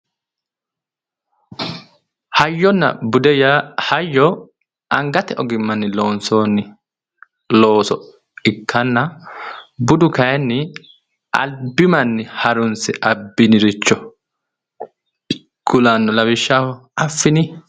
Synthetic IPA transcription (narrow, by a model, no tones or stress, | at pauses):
hɐjːɔnːɐ̰bʊd̪ɛjahɐjːɔ | ʔɐŋɡɐt̪ɛʔɔɡɪmːɐnːɪloːnsoːnːɪ | lo̞ːsɔ | ɪkʰːɐnːɐ | bʊd̪ʊkɐjɛnːɪ | ʔɐ̰lbɪmɐnːɪhɐɾʊnsɛʔɐbːɪnɪɾɪt͡ʃːɔ | ɡ̥ʊlɐnːɔlɐbɪʃːaːhɔɐfːɪnɪ